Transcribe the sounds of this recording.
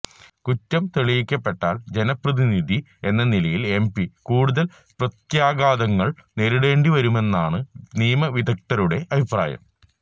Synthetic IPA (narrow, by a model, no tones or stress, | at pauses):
kutːɐmt̪eɭijikʲːɐpːe̞ʈːaːld͡ʑe̞nɐprɐðiniðʱi | e̞nːɐnilɐjile̞mpikuːɽuðɐl | prɐt̪jaːɡaːd̪ɐŋːɐɭne̞ɾuɽe̞ːɳɖiʋɐɾume̞nːaːɳɨniːmɐʋid̪ʱɐk̚t̪ɐɾuɽe̞ʔɐbʱipra̰ːjɐ̰m